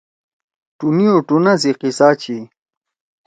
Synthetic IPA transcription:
ʈunioʈunaziqisaːt͡ɕi

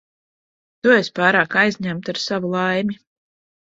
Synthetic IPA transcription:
t̪uespaːɾaːkajzɲæmt̪aɾsavulˠajmʲi

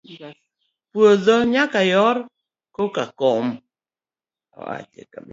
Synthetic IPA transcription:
pwoðɔɲakajɔɾ | kokakɔm | ɔ̰a̰t͡ʃḛka

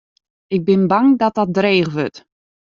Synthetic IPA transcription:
ɪɡ̚bɪnbaŋdɔt̚ɔt̚dreːχʋøt

